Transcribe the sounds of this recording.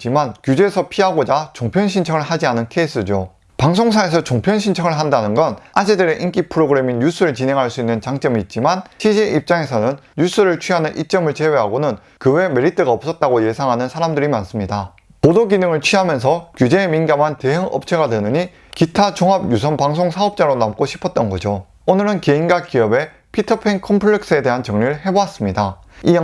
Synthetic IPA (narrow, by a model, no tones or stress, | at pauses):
t͡ɕ͈imankjud͡ʑeːsʰʌpʰiɦaɡod͡ʑat͡ɕoŋpʰjʌnɕʰint͡ɕʰʌŋɯɭhad͡ʑianɯnkʰeis͈ɯd͡ʑo | paŋsʰoŋs̬ʰaes̬ʰʌt͡ɕoŋpʰjʌnɕʰint͡ɕʰʌŋɯɭɦandanɯnɡʌnad͡ʑʰedɯɾe̞ʔink͈ipʰɯɾoɡɯɾe̞miɲjus͈ʰuɾɯɭt͡ɕinɦe̞ŋɦaɭs͈uinːɯnt͡ɕaŋt͡ɕ͈ʌmiːt̚t͡ɕ͈imanɕʰiɕʰeʔip̚t͡ɕ͈aŋe̞sʰʌnɯnjus͈ʰɯɾɯɭt͡ɕʰɥiɦanɯnʔḭt̚t͡ɕ͈ʌmɯɭt͡ɕe̞we̞ɦaɡonɯn | kɯwe̞me̞ɾitʰɯɡaʌp̚s͈ʌt̚t͈aɡoje̞sʰaŋɦanɯnsʰaɾamdɯɾimans͈ɯmɲida | podoɡinɯŋɯɭt͡ɕʰɥiɦamjʌns̬ʰʌkjud͡ʑe̞ːminɡamɦante̞ɦɯŋʔʌ̰p̚t͡ɕʰe̞ɡadwenɯɲi | kitʰat͡ɕoŋɦab̚jusʰʌnpaŋsʰoŋsʰaʌp̚t͡ɕ͈aɾonamk͈oɕʰi̥pʰʌt̚t͈ʌnɡʌd͡ʑo | onɯɾɯnke̞inɡak͈iʌbe̞ | pʰitʰɯpʰeŋkʰʌmpʰɯɭek̚s͈ɯe̞de̞ɦant͡ɕʌŋɲiɭɦe̞boas͈ɯmɲida | i